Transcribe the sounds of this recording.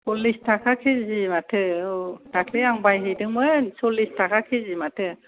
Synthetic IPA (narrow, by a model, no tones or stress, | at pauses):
sɔlːistʰakʰakʰezimatʰɯd̥akʰleaŋbajɦɯjdɯŋmɯjsɔlːistʰakʰakʰezimatʰɯ